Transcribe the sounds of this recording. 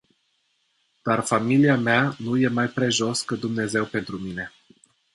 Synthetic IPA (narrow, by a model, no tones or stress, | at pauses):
d̪̥arfamiliameanuje̞majpɾe̞ʒo̞skəd̪umne̞ze̞wpe̞nt̪ɾumine̞